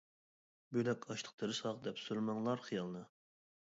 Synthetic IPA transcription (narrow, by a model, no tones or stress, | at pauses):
bylɛkʲɑʃt̪ʰˠə̥q̚t̪ʰəɾɨʃχɑʁd̪ɛpsuɾmɑŋlˠɑɾχijɑlˠnɨ